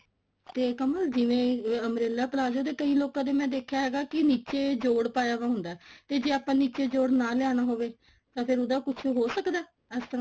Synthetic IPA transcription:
t̪eːkəməld͡ʒɪʋẽːəmɾeːlaːpəlaːd͡ʒoːd̪eːkəiːloːkãːd̪eːmɛ̃ːd̪eːkʰːjaːɦɛːɡaːkɪniːt͡ʃeːd͡ʒoːɽpaːjaːʋaːɦʊnd̪aːɛt̪eːd͡ʒeːaːpãːniːt͡ʃeːd͡ʒoːɽnãːlɪjaːɽaːɦoːʋeː | t̪ãːpʰɪɾʊd̪aːkʊt͡ʃʰːɦoːsəkd̪aː | ɛːst̪əɾãː

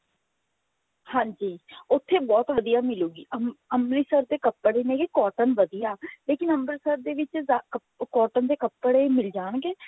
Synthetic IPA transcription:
hãːɲd͡ʒiːʊt̪ʰːeːbɔːt̪ʋəd̪ijaːmɪluːɡiːəəmɾiːsəɾd̪eːkəpːəɽenẽːɡeːkɔːʈənʋəd̪ijaːleːkɪnəmlisəɾd̪eːʋɪt͡ʃːkə | kɔːʈənd̪eːkəpːəɽeːmɪld͡ʒaːɳɡeː

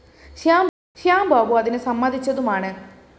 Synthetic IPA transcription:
ʃjaːm | ʃijaːmbʱaːbuɐd̪inesɐmːad̪ʱit͡ɕːɐd̪umaːɳe

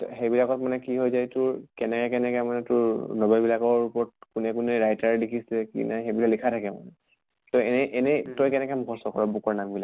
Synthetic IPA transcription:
txejbilakɔtmanɛkiɦojzajtʊɹkɛnɛkɛkɛnɛkɛmanɛtʊɹnɔbalbilakɔɹupɔɹt̚kunɛkʊnɛɹajtaɹɛdekʰisɛkḭnajxebilaklikʰatʰakɛma̰nɛ | tojɛnɛʔɛnɛtɔjkɛnɛkɛmɡʱɔsɔkɔɹɔbukɔɹnambila

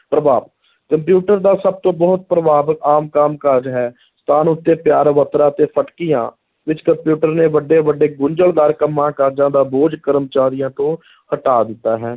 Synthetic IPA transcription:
pɾəbaːb | kəmpjuːʈəɾd̪aːsəb̚t̪õːbɔːt̪̚pɾəbaːbəkaːmkaːmkəɾd͡ʒɦɛː | st̪ʰaːnʊt̪ːeːpjaːɾʋət̪ɾãːt̪eːpʰəʈkijã̰ː | ʋɪt͡ʃkəmpjuːʈəɾneːʋəɖeːʋəɖeːɡʊɲd͡ʒəld̪aːɾkəmːãːkəɾd͡ʒãːd̪aːboːd͡ʒkəɾəmt͡ʃaːɾɪjãːt̪õː | həʈaːd̪ɪt̪ːaːɦɛː

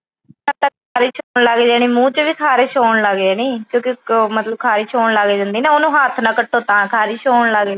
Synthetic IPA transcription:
nãːt̪əkkʰːaːɾɪʃoːɳlaɡeːd͡ʒaːñiːmũːt͡ʃʋiːkʰaːɾɪʃoːɳləɡd͡ʒaːɽiːkjõːkɪmət̪ləb̚kʰaːɾɪʃoːɳlaɡeːd͡ʒãːnd̪iːnãːonũːɦaːt̪ʰnãːkəʈʰːõːt̪ãːkʰaːɾɪʃoːɳləɡe

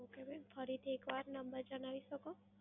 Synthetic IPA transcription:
okebəjmfəɾit̪ʰiekʋaɾnəmbəɾd͡ʒənaʋiʃəko

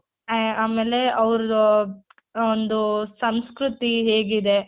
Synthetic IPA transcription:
aːmeːleɐʋɾu | ond̪usɐmskɾut̪iɦeːɡid̪e

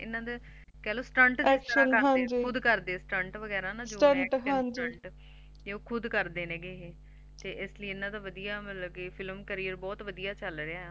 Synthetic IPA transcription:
ɪ̰nːãːd̪eː | kɛːloːsʈəɳʈdesəɦãd͡ʒiːʊd̪kəɾd̪eːsʈəɳʈʋəɡɛːɾãːnãːsd͡ʒoːəɳʈɦãɲd͡ʒiɳʈ | d͡ʒeːoːkʰʊd̪kəɾd̪eːnẽːɡeːɦeː | t̪eːʔɪsləiɪnãːd̪aːʋəd̪ijaːmɪlɡeːpʰɪlmkəɾiːəɾbɔːt̪ʋəd̪ijaːt͡ʃəlɾeaː

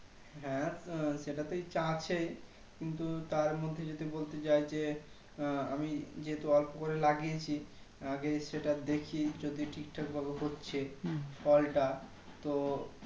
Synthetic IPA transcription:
ɦɛ̃ʃeʈat̪ojt͡ɕãt͡ɕʰej | kint̪ut̪aɾmod̪ʱːed͡ʑot̪ibolt̪et͡ɕajd͡ʑe | amid͡ʑeɦet̪oɔlpokoɾelaɡiet͡ɕʰi | aɡeʃeʈad̪ekʰid͡ʑod̪iʈʰik̚ʈʰakbʱabeɦotːɕʰefɔlʈa | t̪o

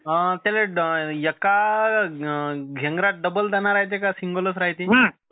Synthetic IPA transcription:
ət̪alejəka | ɡʱeŋɡɾaʈ̚ɖəbəld͡z̪anaɾaɦjt̪̬ekasiŋɡoləsɾaɦt̪iːɦə

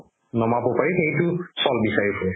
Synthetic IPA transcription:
nɔmapɔpaɹixejtʊsɔlbisaɹipʰɔɹɛ

